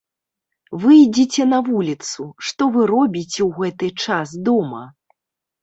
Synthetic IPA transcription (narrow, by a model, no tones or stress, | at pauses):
vɨjd͡zʲit͡sʲɛnɐvulʲit̪suʂt̪ɔvɨɾɔbʲit͡sʲɛwɣɛt̪ɨt͡ʂasd̪ɔmɐ̰